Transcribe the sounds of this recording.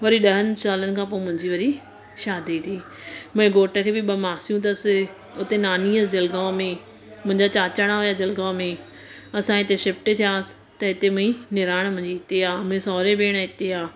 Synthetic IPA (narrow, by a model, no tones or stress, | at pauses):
ʋɐɾiɗɐɦənɪ̆saːlənɪ̆kʰãːp̬oːemʊ̃ɦɪ̃ɲd͡ʑiʋɐɾi | ʃaːd̪it̪ʰiː | mɐ̃ẽɡoːʈə̆kʰeːbɪɓɐmaːsijũt̪̬ɐsɪ | ʊt̪enaːniːəsd͡ʑɐlɡaːʋmẽ | mʊ̃ɦɪ̃ɲd͡ʑat͡ɕaːt͡ɕaɽ̃aɦʊjad͡ʑɐlɡaːmẽ | ɐsãɪt̪eʃɪp̚ʈt̪ʰijaːsɪ̥ | t̪ɐɦɪt̪emʊ̃ɦĩnɪɾaːɽ̃mʊ̃ɦɪ̃ɲd͡ʑiɪt̪eaːmʊ̃ɦẽsɔːɾebeːɽ̃əɦɪt̪eaː